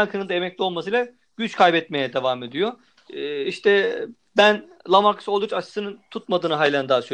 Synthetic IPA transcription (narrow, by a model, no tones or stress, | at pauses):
aŋkʰɯnɯnd̪aemɛc̚lʲo̞lˠmasɯjlʲˠa | ɟ̥yt͡ʃkʰajbɛt̪me̞jɛd̪evaːme̞d̪ijoː | iʃt̪ʰɛ | bæn | lˠamaɾkʰɯ̥solˠut͡ʃat͡ʃʰɯ̥sɯnɯnt̪ʰut̪̚mad̪ɯːnɯɦajlʲand̪aːsy